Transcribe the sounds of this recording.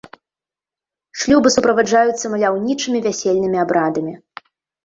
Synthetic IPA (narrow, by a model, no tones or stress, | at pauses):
ʂlʲubɨsupɾɐvad͡ʐajut̪sːɐmɐlʲawnʲit͡ʂɨmʲivʲasʲelʲnɨmʲiabɾad̪ɐmʲi